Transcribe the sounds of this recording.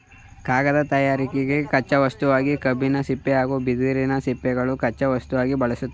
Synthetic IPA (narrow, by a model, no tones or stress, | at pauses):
kaːɡɐd̪ɐt̪ɐjaːɾikɛɡe̞kɐt͡ʃːɐʋɐst̪uʋaːɡikɐbʱinɐsipːɛaːɡubid̪iːɾinɐsipːɛɡɐɭukɐt͡ʃːɐʋɐst̪uʋaːɡibɐɭɐsut̪ːe